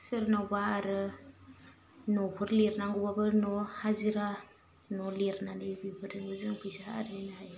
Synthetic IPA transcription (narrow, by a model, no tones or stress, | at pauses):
sɯɾnawbaːɾɯ | nɔpʰɯɾleɾnaŋɡubabɯnɔhaziɾa | nɔleɾnanɯbibʰɯɾɯŋbɯzɯŋkʰujsaa̰ɾzinahaj